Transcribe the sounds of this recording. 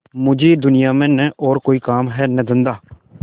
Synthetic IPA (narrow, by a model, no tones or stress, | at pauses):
mʊd͡ʒiːd̪ʊnɪjaːmɛ̃nɛːʔɔːɾkoːiːkaːmɦɛːnəd̪ɪnd̪aː